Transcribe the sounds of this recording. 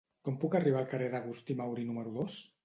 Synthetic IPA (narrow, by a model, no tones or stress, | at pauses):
kɔmpukariβaːlˠkareðaɣust̪imawɾinuməɾuðos